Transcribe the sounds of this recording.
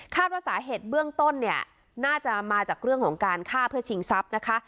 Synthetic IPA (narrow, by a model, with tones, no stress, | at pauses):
kʰaː˥˩t̪̚waː˥˩saː˩˦ɦeː˨˩t̪̚bɯ˥˩əŋt̪o˥˩nːi˥˩ɐə | naː˥˩t͡ɕa˨˩maː˧t͡ɕaː˨˩k̚ɾɯ˥˩əŋkʰɔ̰ː˩˦ŋkaː˧nkʰaː˥˩pʰɯ˥˩ɐt͡ɕʰi˧ŋsa˦˥p̚na˦˥kʰa˦˥